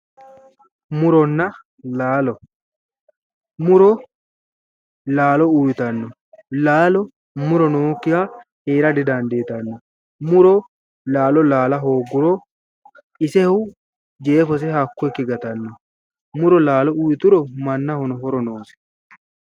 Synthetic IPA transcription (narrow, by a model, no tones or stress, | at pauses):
mʊɾɔnːɐ | laːlɔ | mʊɾɔ | laːlɔujɪt̪ɐnːɔ | laːlɔ | mʊɾɔnoːkːɪha | heːɾɐd̪ɪd̪and̪eːt̪ɐnːɔ | mʊɾɔ | laːlɔlaːlɐɦoːɡːʊɾɔ | ɪsɛhʊ | d͡ʒeːfɔs̬ɛhɐkːʊɛkːɪɡɐt̪ɐnːɔ | mʊɾɔlaːlɔujɪt̪ʊɾɔmɐnːɐhɔnɔɦɔɾɔnoːsɛ̥